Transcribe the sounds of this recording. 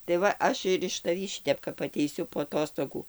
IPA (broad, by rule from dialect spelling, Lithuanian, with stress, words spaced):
tɐɪ ˈʋɐ ˈɐʃ ɪr ɪʃ tɐˈʋʲiː ˈʃʲɪtʲɛp kɐp ɐtʲɛɪˈsʲʊ poː ɐˈtoːstoːɡuː